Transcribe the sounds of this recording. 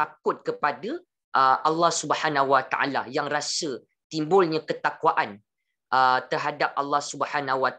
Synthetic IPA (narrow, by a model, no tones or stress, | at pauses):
akʊt̪̚kəpada | ʔəʔalːɑhsubhanahwat̪aʔa̰la̰jaŋrasə | t̪imbʊlɲãkət̪akwaʔan | ʔət̪ərɦadap̚ʔalːɑhsubəħanaɦwa